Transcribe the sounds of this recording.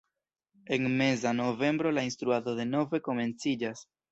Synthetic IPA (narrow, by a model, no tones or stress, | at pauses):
e̞nme̞zano̞ve̞mbɾo̞lainstɾuato̞de̞no̞ve̞ko̞me̞nt͡sid͡ʒas